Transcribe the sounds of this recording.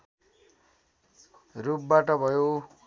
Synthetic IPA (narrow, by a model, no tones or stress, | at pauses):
rup̚baʈʌbʱʌjo